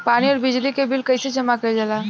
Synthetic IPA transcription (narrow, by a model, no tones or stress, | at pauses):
paːɽ̃iɔɾbɪd͡ʒlikebilkəjsed͡ʒəmakəd͡ʒala